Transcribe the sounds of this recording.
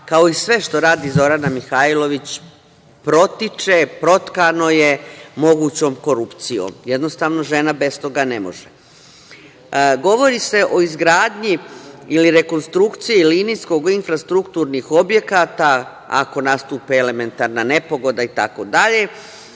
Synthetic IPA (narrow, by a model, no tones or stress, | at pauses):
kao̞isʋe̞ʃt̪o̞ɾaːd̪izo̞ɾanamixailo̞ʋit͡ɕ | pɾo̞t̪it͡ʃepɾo̞t̪kano̞je̞mo̞ɡuːt͡ɕo̞ːmko̞ɾupt̪sijo̰mjed̪no̞st̪aːʋno̞ʒe̞nabe̞st̪o̞ɡanemo̞̰ʒe | ɡo̞ʋo̞ɾise̞ʔo̞izɡɾaːd̪ɲiiliɾe̞ko̞nst̪ɾukt̪sijilinisko̞ɡinfɾast̪ɾukt̪uːɾnixo̞bje̞kaːt̪a | a̰ko̞nast̪uːpeele̞me̞nt̪aɾnane̞po̞ɡo̞d̪ait̪a̰ko̞d̪aʎe̞